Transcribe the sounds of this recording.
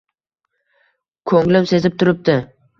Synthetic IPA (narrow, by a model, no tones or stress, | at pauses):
kʰɵŋlɪmse̞zɪp̚t̪ʰʊɾɪp̚d̪ɪ